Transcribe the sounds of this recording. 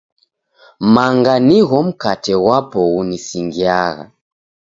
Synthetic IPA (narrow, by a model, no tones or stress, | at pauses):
maŋɡaniɣɔm̩katɛwapɔɣunisiŋɡiaɣa̰